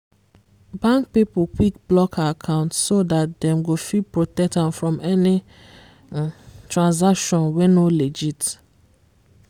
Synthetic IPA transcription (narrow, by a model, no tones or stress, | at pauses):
bãŋk̚pipokʰik̚blɔkʰakʰãʊ̃ntsodat̚dɛ̃mɡofipɹotɛk̚tãmfɹɔ̃mɛnɪ | tʰɹãnz̬akʃɔ̃nwenoled͡ʒit